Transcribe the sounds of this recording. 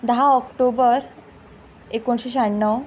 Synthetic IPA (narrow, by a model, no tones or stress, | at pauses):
d̪əɦaɔkʈobəɾ | ekoɳɕeɕ̬aɳːəw